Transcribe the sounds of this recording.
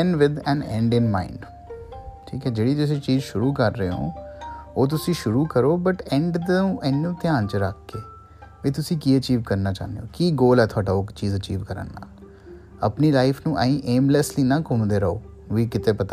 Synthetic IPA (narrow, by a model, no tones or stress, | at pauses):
ɛ̃nʋɪd̪ɛ̃ːnɛ̰̃ɳɖɪnmã̰ːɪ̃ɳɖ | ʈʰḭːkɛːd͡ʒeːɽiːt̪ʊs̬ĩːt͡ʃiːzʃʊɾuːkəɾːəeːõ̰ːoːt̪̬ʊsĩːʃʊɾuːkəɾoːbəʈɛ̃ɳɖd̪nũːʔɛnːõːt̪ɪjãːnt͡ʃəɾəkʰːeː | ʋiːt̪̬ʊsĩːkiːət͡ʃiːʋkəɾnaːt͡ʃa̰ːnd̪ḛoːkiːɡoːlɛːt̪ʰʊaːʈaːʊkt͡ʃiːzət͡ʃiːʋkəɾə̰nːa̰ːl | əpniːlaːɪfʰnũːʔa̰ːĩːʔeːmləsliːnãːkʊmd̪eːɾəo̰ː | ʋiːkɪt̪eːpət̪a